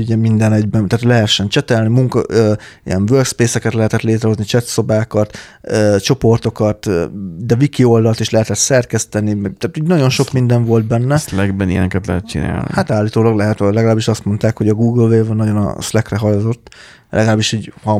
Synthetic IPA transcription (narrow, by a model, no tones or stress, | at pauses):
uɟɛmind̪ɛnɛɟbɛnt̪aːt̪lɛɦɛʃːɛnt͡ʃɛt̪ɛlnimuŋkɒ̰øːḭjɛnvørkspeːsɛkɛt̪lɛɦɛt̪ɛt̪leːt̪ɾɛɦoznit͡ʃɛt̪so̞baːkɒt̪øt͡ʃo̞po̞rt̪o̞kɒt̪ːd̪ɛvikio̞ld̪ɒlt̪iʃlɛɦɛt̪ɛt̪sɛrkɛst̪ɛnimɛɡt̪aːt̪iːɟnɒɟo̞nʃo̞kmind̪ɛɱvo̞ld̪̚bɛnːɛslɛɡbɛnijɛ̰nɛkɛt̪lɛ̰ɦɛt̪̚t͡ʃḭna̰ːlnḭhat̪aːlːiːt̪oːlɒɡlɛɦɛt̪lɛɡɒlaːbiʃɒst̪mo̞nt̪aːkho̞ɟɒɡuːɡəlveːvnːɒɟonɒ̰slɛkrɛɦɒjozo̞t̪ː | lʔɛ̰ɡɒlaːbiʃiːɟhɒ